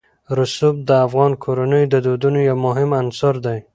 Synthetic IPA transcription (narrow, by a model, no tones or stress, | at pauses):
ɾʊsub̚d̪əafɣɑnkʰoɾanəjd̪əd̪od̪unojawmʊɦɪmansɑɾd̪aj